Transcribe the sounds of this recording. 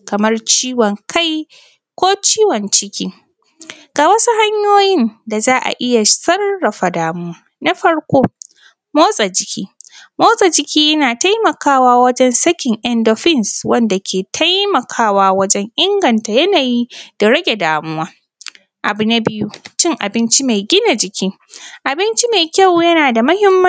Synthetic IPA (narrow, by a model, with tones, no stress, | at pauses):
kɐ˨mɐ˦rt͡ʃiː˦wɔ˨ŋkʰa˦j | kʷoː˦t͡ʃiː˦wɔ˨nt͡ʃɪ˦kʲiː˦ | ɡ̥aː˨wɐ˦su˦ɦa˦ɲjoː˦jɪ˦nda˨zaː˦ʔa̰˨ʔɪ˦ja˨sɐ˦rːɐ˨ɸa˨daː˨mʊ˦waː˦ | na˦ɸɐ˦ɽkʷoː˦ | moː˦sʼa˨d͡ʒɪ˦kʲḭː˦moː˦sʼa˨d͡ʒɪ˦kʲiː˦jɐ˦naː˨ta˦jmɐ˨kaː˦waː˦wɐ˦d͡ʒɛ˦nsɐ˦kʲɪ˨ŋʔɛ˦ndɔ˦ɸɪ˦˨nswɐ˦nda˨kʲeː˨tʰa˦jmɐ˨kʰaː˦waː˦wɐ˦d͡ʒɛ˦ŋʔɪ˦ŋɡɐ˨nta˨jɐ˦naː˨ji˦d̥a˨ɽɐ˦ɡʲe˨daː˨mʊ˦waː˦ | ʔa˨bu˨na˦bɪ˦ju˦t͡ʃɪ˦ŋʔa̰˨bɪ˦nt͡ʃi˦ma˨jɡʲɪ˦na˨d͡ʒɪ˨kʲiː˦ | ʔa˨bɪ˦nt͡ʃi˦ma˨kʲa˦˨wjɐ˦naː˨da˨mɐ˦hɪ˦mːɐ˦